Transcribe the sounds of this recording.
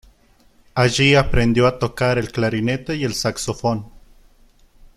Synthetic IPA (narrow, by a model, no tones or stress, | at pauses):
aʝiapɾend̪joat̪okaɾelklaɾinet̪ejelsaksofon